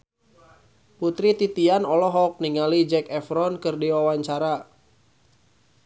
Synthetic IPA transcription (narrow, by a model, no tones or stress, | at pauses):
put̪ɾit̪it̪ianɔlɔɦɔk̚niŋalid͡ʒɛkɛfɾɔnkɨrdiwawaɲt͡ʃaɾa